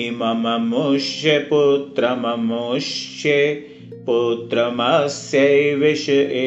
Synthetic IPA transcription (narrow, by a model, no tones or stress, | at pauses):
imɐmɐmuʃjeput̪ɾɐmɐmuʃe | put̪ɾɐmɐsjɐjʋeʃɐʔe